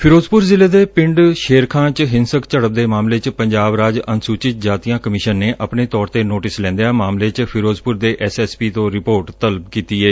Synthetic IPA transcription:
pʰɪɾoːzpʊɾzɪleːd̪eːpɪ̃ɳɖʃeːɾkʰãːt͡ʃɦɪnsəkt͡ʃəɽəp̚d̪eːmaːmleːt͡ʃpəɲd͡ʒaːbɾaːd͡ʒənsuːt͡ʃɪt̪̚d͡ʒaːt̪iːãːkəmɪʃənːeːʔəpneːt̪ɔːɾt̪eːnoːʈɪslɛ̃ːnd̪eaːmaːmleːt͡ʃpʰɪɾoːzpʊɾd̪eːʔɛːsɛːspiːt̪õːɾɪpoːʈt̪ələbkiːt̪iːɛː

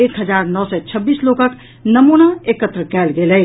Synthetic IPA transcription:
eːkɦəd͡ʒaɾnɔsɛt͡ʃʰəbːiːslokək | nəmunaekət̪ɾəkɛːlɡelɛ

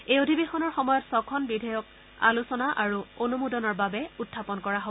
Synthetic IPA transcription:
ejodʱibexɔnɔɹxɔmɔjɔtsɔkʰɔnbidʱɔjɔk | a̰lusɔnaʔaɹuonumudɔnɔɹbabɛutʰːapɔnkɔɹaɦo

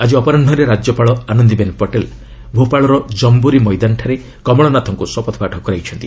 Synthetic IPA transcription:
ad͡ʒiɔpɔɾanɖʱɔɾeɾad͡ʒjɔpaɭɔanɔnd̪ibenpɔʈel | bʱopaɭɔɾɔd͡ʒɔmbuɾimɔjd̪anʈʰaɾe | kɔmɔɭɔnat̪ʰɔŋkuswɔpɔt̪ʰɔpaʈʰɔkɔɾajt͡ʃʰɔnt̪i

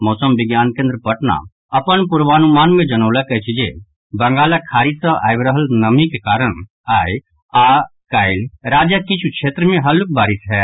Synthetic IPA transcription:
mɔːsəmbɪɡjaːnkẽːnd̪ɾəpɐʈna̰ | ɐpənpʊɾʋaːnumaːnmẽd͡ʒənoːlakɐt͡ʃʰid͡ʒe | bɐŋɡaːlakʰaːɾisə̃a̰ːɪbɾəɦəlnɐmikekaːɾəɽ̃ | aːj | aːkaːɪlɾaːd͡ʒakɪt͡ʃʰukʃʰeːt̪ɾəmẽɦɐlʊk̚baːɾɪsɦɛː

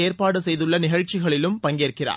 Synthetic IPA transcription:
eːrpaːɽɯsɛjðɯɭːɐnɪɣɐɻt͡ʃɪɣɐɭɪlɯmpɐŋɡeːrkɪra̰ː

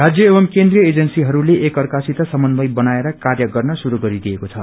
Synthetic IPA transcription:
rad͡zjʌebʌmkend̪rijʌed͡zʌnsiɦʌɾuleʔekʌrkasit̪asʌmʌnbʌjbʌnaeɾʌkarjʌɡʌrnʌsuɾuɡʌɾid̪iekot͡sʰʌ

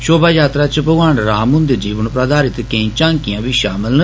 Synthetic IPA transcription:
ʃoːbaːjaːt̪ɾaːt͡ʃəpəɡaːɳɾaːmʊnd̪əɾd͡ʒiːʋənpɾad̪aːɾɪt̪kəĩːt͡ʃãːŋkɪjãːbiːʃaːmɪlnə

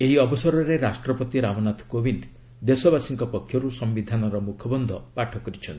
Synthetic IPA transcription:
eɦiɔbɔsɔɾɔɾeɾasʈɾɔpɔt̪iɾabɔnat̪ʰkobind̪ | d̪esɔbasiŋkɔpɔkʰːjɔɾusɔmbid̪ʱanɔɾɔmukʰɔbɔnd̪ʱɔpaʈʰɔkɔɾit͡ʃʰɔn

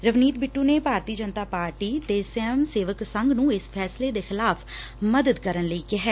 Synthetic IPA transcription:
ɾəʋniːt̪̚bɪʈːuːneːbʱaːɾt̪iːd͡ʒənt̪aːpaːɾʈiːt̪esemseːʋəksəŋɡnũːɪspʰɛːsleːd̪eːxɪlaːpʰ | məd̪əd̪kəɾənləiːkɪɦɛː

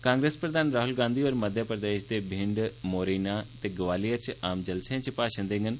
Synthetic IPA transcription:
kãːŋɡɾeːspɾəd̪aːnɾaːɦʊlɡãːnd̪ioːɾməd̪ʱjəpɾəd̪eːʃd̪eːbʱɪ̃ɳɖmoːɾiːnaːt̪eːɡəʋaːlijəɾt͡ʃaːmd͡ʒəlseãːt͡ʃəpaːʃə̃nd̪ẽːŋɡən

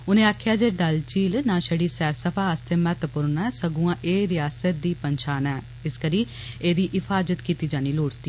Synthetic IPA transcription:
ʊnẽːaːkʰjaːd͡ʒeːɖəlt͡ʃiːlnãːʃəɽiːsɛːɾsəpʰaːəst̪ʰeːmət̪əpʊɾnɛːsəɡuãːʔeːɾɪjaːsət̪̚d̪iːpənʃaːnɛː | ɪskəɾiː | eːd̪iːʔɪfʰaːzət̪kiːt̪iːd͡ʒaːniːloːɽst̪iː

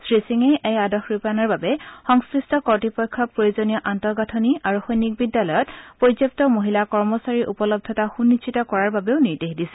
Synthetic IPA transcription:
sɹisiŋejʔejadɔxɹupanɔɹbabɛxɔŋsɹistɔkɔɹtipɔjkʰːɔpɹojuzɔnijɔʔantɔɡatʰɔniʔaɹuxɔjnːik̚bidːalɔjɔtpɹozjɔp̚tɔmoɦilakɔɹmɔsaɹiʔupɔlɔb̚dʱɔtaxunːisʰitɔkɔɹaɹbabeʊniɹdexdisɛ̥

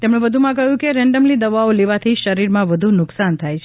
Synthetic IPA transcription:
t̪emɽ̃ẽʋəd̪ʱumãk̬əɦjũkeɾɛ̃ɳɖəmlid̪əʋaoleʋat̪ʰiʃəɾiɾmãʋəd̪ʱunʊksant̪ʰajt͡ʃʰ

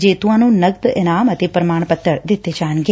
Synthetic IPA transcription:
d͡ʒeːt̪uʋãːnũnɐɡd̪ɪnaːmɐt̪ʰepɾɐmaːɳ̃pət̪ːəɽd̪ɪt̪ːed͡ʒaːnɡe

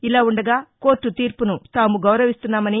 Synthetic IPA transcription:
ilaːuɳɖɐɡaːko̞ːʈːut̪iːɾpunut̪aːmuɡɐwɾɐʋist̪unːaːmɐni

